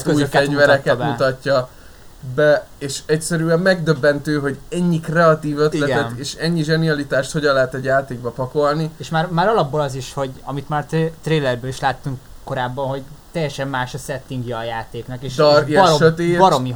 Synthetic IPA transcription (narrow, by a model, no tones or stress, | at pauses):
øuːjøfɛvɛɾɛkɛtmut̪ɒcːɒ | bɛ | eːʃɛcsɛɾyɛmːɛɡd̪øbːɛnt̪øːɦo̞ɟɛɲːikrɛɒt̪iːvøt̪ilɛtɡ̪ɛeːʃɛɲːiʒɛniɒlit̪aːʃt̪ho̞ɟɒnlɛɦɛt̪ɛɟjaːt̪eːɡ̚bɒpɒko̞lnieːʃmaːrmaːɾɒlɒbːolɒziʃho̞ɟɒmit̪maːrt̪t̪reːlɛrbøːliʃlaːt̪ːuŋkːo̞ɾaːbːɒnɦo̞ɟt̪ɛjːɛʃɛmːaːʃɒsɛt̪ːiŋɡjɒɒjaːt̪eːknɒkeːʃd̪ɒrjʃøt̪eːtbɒɾomi